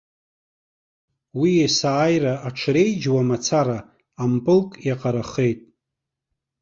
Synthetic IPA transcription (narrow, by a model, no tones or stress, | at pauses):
wiesaːjraaʈ͡ʂʰre̞jd͡ʒwamat͡sʰaɾaː | mpʼɨlkʼjaqʼaɾaχe̞jtʼ